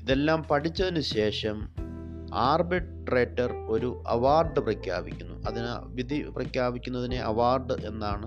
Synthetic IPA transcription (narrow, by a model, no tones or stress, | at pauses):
iðe̞lːaːmpɐʈʰit͡ɕːɐðinuɕe̞ːʂɐm | aːrbeʈː | reːʈːɐro̞ɾuʔɐ̰ʋaːrɖɨprɐkja̰ːbikʲːunːṵʔɐðinʋid̪ʱiprɐkjaːbikʲːunːɐðine̞ʔɐʋaːrɖɨʔe̞nːaːɳɨ